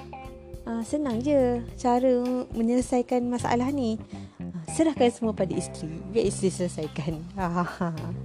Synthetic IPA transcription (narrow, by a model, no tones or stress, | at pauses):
ʔəsənaŋd͡ʒət͡ʃaɾəməɲələsajkanmasa̰ʔa̰lahniəsəɾahkansəmuapadaist̪ɾibiaʔist̪ɾisəlsajkanaa